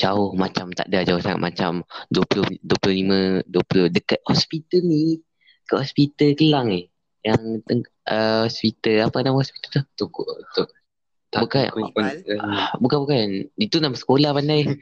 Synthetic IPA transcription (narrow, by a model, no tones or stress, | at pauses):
d͡ʒaʊhmat͡ʃamt̪a̰ʔdad͡ʒaʊsaŋa̰t̪̚mʔa̰t͡ʃa̰mduəpulʊhduəpulʊhlimə̃duəpulʊhdəkat̪̚hɔspit̪əlni | kəʔhɔspit̪əlkəlaŋɪh | jaŋt̪əŋ | ʔəhɔspit̪əlapanamhɔspi̥t̪əlt̪ʊht̪ukʊʔt̪ʊʔ | t̪abukank | bukanbukanit̪unamsə̥kolahpandaj